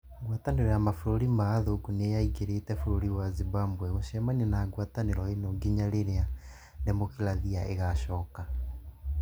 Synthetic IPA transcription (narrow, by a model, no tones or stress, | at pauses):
ɡwataneɾɔjamafoɾoɾimaːðoɡunejaiɡeɾetɛfuɾoɾiwaziβambwɛɣoɕɛmanenaɣwataneɾɔenoɡiɲaɾeɾea | nemokilaðiaʔeɣaɕɔːka